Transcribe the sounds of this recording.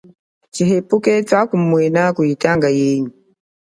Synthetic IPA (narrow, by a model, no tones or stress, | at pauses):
t͡ʃiɦepukɛtakumwɛnakujitaŋɡajeɲi